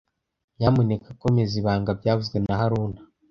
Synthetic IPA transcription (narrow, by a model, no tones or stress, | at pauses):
jamonekakomeziβaːŋɡab̚ɟaːvuzɡwenaɦaɾuːna